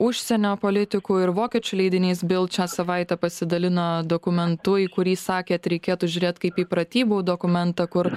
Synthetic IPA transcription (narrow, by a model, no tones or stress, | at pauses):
ʊʃʲsʲɛnʲoːpoːlʲɪt̪ʲɪkuːɪɾʋoːkʲɛt͡ʃʲʊlʲɛɪd̪ʲɪnʲiːsbʲeːlˠt͡ʃʲaːsɐʋɐɪt̪ʲɛpɐsʲɪd̪ɐlʲɪnoːd̪oːkʊmʲɛnt̪ʊiːkʊɾʲiːsɑːkʲeːɐt̪ɾʲɛɪkʲeːt̪ʊʒʲʊɾʲeːt̪kɐɪpiːpɾɐt̪ʲiːbuːd̪okʊmʲɛnt̪ɐkʊɾ